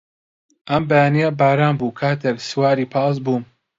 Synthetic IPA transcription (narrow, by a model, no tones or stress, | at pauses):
ʔɐmbɐjaːnijabaːɾaːmbuːkʰaːt̪ʰekswaːɾiːpʰɑːs̬buːm